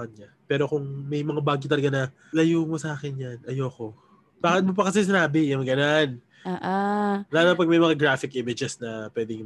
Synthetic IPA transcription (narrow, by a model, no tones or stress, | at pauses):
kɐɲɲa | pɛːɾo̞kʊŋmɐjmɐŋabaːɡit̪ɐlɐɡanɐ | lɐjuːmosɐaːkɛnjanʔɐjoːko̞ | baːkɪt̪̚mop̬ɐkɐs̬ɛs̬ɪnaːbɪjɐmɡɐnan | aːʔalaːlɐpɐɡ̚mɐjmɐŋaɡɾaːfɪkʔɪmɪd͡ʒɛsnɐpwɛːd̪ɪŋ